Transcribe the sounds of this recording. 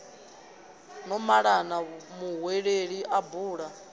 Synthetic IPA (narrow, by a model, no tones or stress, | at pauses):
nɔmaɺanamuɦweɺeɺiʔabuːɺa